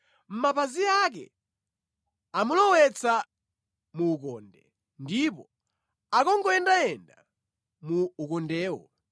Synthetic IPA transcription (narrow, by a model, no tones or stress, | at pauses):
m̩mapaziak̬ɛ̰ | amulɔwɛt͡sʰa | muːkɔ̰ːndɛ | ndipɔ | akɔŋɡɔɛndaɛnda | muːkɔndɛːwɔ̰